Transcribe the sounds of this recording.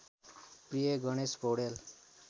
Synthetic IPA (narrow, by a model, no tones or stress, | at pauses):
prijeɡʌɽ̃espowɽel